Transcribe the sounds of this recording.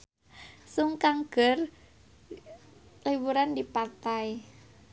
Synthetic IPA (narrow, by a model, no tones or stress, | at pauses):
suŋkaŋɡ̥ər | liwuɾandipat̪aj